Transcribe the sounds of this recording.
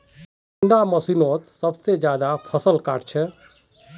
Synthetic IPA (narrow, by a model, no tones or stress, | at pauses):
ɳɖaməsinot̪səbsed͡ʒjaːd̪apʰəsəlka̰ːʈt͡ʃʰɛ